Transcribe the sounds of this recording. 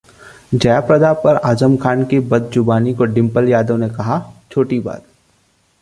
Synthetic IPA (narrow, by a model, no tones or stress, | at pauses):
d͡ʒɐjapɾɐd̪apɐɾaːzəmkʰaːnkibɐd̪̚d͡ʒʊbaːnikoɖɪ̃mpəljaːd̪õnekɐɦat͡ʃʰoːʈiba̰ːt̪̚